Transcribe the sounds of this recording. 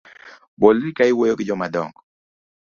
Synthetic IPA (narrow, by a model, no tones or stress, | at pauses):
bolɾikaɪwojokɪd͡ʒɔmadɔ̰ŋɡɔ